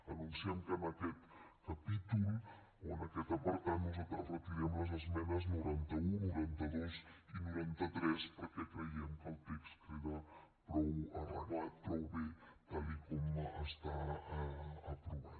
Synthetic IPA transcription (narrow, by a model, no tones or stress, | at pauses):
ənunsiɛmkənəkɛt̪ | kəpit̪ulˠ | oənəkɛt̪əpəɾt̪anuzət̪ɾərət̪iɾɛmləzəzmɛnəznuɾant̪əunuɾant̪əðozinuɾant̪ət̪ɾɛspəɾkɛkɾəiəmkəlˠt̪ɛkskɾiða | pɾɔwərəβap̪ɾɔwβet̪alikɔməst̪a | əpɾuβat̪